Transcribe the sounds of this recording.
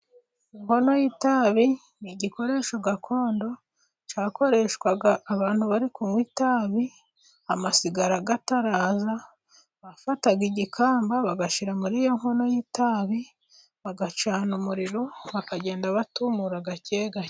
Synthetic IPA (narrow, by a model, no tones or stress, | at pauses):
iŋho̞no̞jitaβi | niɟiko̞ɾe̞ːʃo̞ɡakʰo̞ːndo̞ | t͡ʃaːko̞ɾe̞ʃkwaɡaːβaːnhuβaɾikumwitaːβi | amasiɡaɾaɡataɾaːza | βafataɡiɟikʰaːmbaβaɡaʃiɾamuɾiːjo̞ŋ̥ho̞no̞jitaβi | βaɡat͡ʃaːnumuɾiɾoβakaɟe̞ːndaβatumuɾaɡaceːɡa